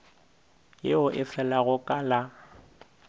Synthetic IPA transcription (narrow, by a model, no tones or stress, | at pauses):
jeʊʔɪfɛlaɣʊkʼala